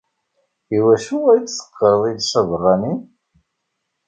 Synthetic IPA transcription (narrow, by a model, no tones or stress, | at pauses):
iwæʃuæt͡sːsə̥qːəɾəðˤiðsɑvərˤːɑnin